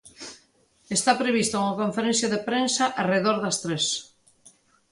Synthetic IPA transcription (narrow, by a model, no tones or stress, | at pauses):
est̪apɾeβ̞ist̪ouŋakoɱfeɾẽnθjaðepɾensaʔareðoɾðast̪ɾes